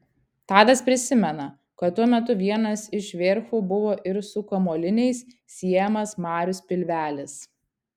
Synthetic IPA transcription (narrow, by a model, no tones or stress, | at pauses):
t̪ɑːd̪ɐspʲɾʲɪsʲɪmʲɛnɐ | kɐt̪ːuɔmʲɛt̪ʊʋʲiɛnɐsɪʃʋʲeːɾfuːbʊʋoːʔɪɾsʊkɐmoːlʲɪnʲɛɪsːʲ | iɛjɛmɐsmɑːɾʲʊspʲɪlʲʋʲæːlʲɪs